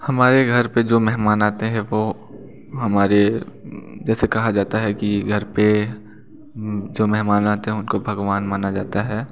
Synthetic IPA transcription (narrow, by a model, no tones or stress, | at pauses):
hɐmaːɾeɡʱɐɾped͡ʒoːmɛɦmaːnaːt̪eɦɛ̃ʋo | ɦɐmaːɾe | d͡ʒɛːsekɐɦad͡ʒaːt̪aɦɛkiɡʱɐɾpe | d͡ʒoːmɛɦmaːnaːt̪eɦɛ̃ʊnkobʱɐɡʋaːnmaːnad͡ʒaːt̪aɦɛː